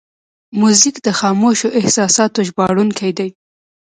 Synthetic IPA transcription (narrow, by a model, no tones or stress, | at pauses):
muzikd̪əxɑmoʃoʔɪhsɑsɑt̪oʒbɑɽunkʰajd̪aj